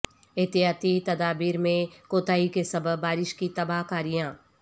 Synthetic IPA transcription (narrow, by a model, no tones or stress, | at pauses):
ɪɦt̪ɪjaːt̪it̪ɐd̪aːbiːɾmẽkoːt̪aːikesɐbəbbaːɾɪʃkit̪ɐbaːɦkaːɾijãː